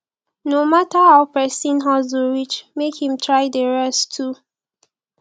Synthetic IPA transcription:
nomatahaʊpɛsĩnɦazuɹit͡ʃmekhĩmtʰɹaɪdəɹɛstʰːu

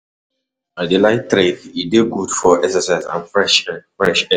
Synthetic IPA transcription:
adelaɪtɾekideɡudfɔʔɛsəsaɪsã̰nfɹɛʃfɹɛʃɛ

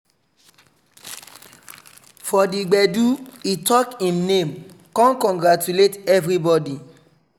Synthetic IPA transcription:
fɔdiɡ͡bɛduitɔkĩmnẽm | kɔ̃nkɔ̃ŋɡɹatuletɛvɾibɔdi

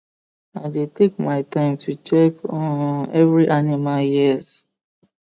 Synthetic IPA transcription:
aɪdetekmaɪtãɪ̃mtʰut͡ʃɛkɔ̃nɛvɹiʔanimaljiz

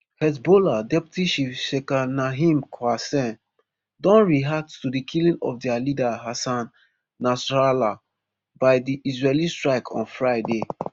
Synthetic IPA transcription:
hɛtboladɛptiʃifʃekanaɦĩmkʰwasɛ̃n | dɔ̃nɹiɦak̚tstudikʰilĩŋɔfdɛalidaɦasãnː | asɹala | baɪdiʔisɹelistɹaɪkʰɔ̰̃nfɹaɪde

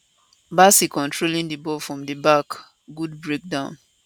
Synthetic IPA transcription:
basikɔ̃ntʰɹolĩndibɔfɹɔ̃mdibak | ɡud̚bɹek̚dãʊ̃n

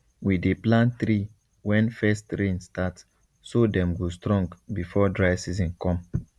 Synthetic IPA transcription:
wideplãnθɾi | wɛ̃nfɛstɹẽnstat | sodɛ̃mɡostɹɔ̃ŋɡbifɔdɹaɪsizɔ̃nkɔ̃m

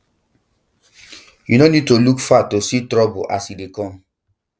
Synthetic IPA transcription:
junonid̚tolukfatːositɾɔboasidekɔ̃m

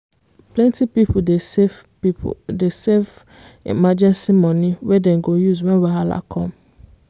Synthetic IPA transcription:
plɛ̃ntipipʰode | desev | ḭmad͡ʒɛ̃nsimɔ̃nĩwɛdɛ̃nɡojuzwɛ̃nwaɦa̰la̰kʰɔ̃m

